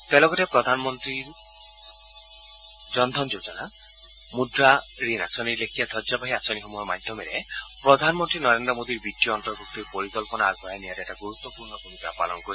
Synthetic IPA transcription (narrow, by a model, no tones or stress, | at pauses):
t̪elɔɡɔʈepɾɔd̪ʱanɔmɔnt̪ɾiɾ | d͡ʒɔnd̪ʱɔnd͡ʒod͡ʒɔna | mudɾa | ɾinasɔniɾlekʰijad̪ʰʱɔd͡ʒabaɦiasɔniɦɔmɔjɔmad̪ʱjɔmeɾe | pɾɔd̪ʱanmɔnt̪ɾinɔɾend̪ɾɔmod̪ʱiɾbiʈiɔːnt̪ɔɾbuk̚t̪iɾpɔɾikɔlpɔnaaɡbʱajaniaɾɛʈaɡuɾut̪wɔpuɾnɔbʱumikapa̰lɔnkɔɾi